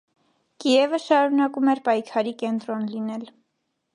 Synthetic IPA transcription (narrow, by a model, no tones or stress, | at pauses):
kijɛvəʃɑɾunɑkumɛɾpɑjkʰɑɾikɛnt̪ɾɔnlinɛl